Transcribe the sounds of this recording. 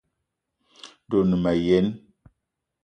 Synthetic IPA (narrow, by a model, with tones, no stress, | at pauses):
do˨nɨ˨ma˨je˨˦n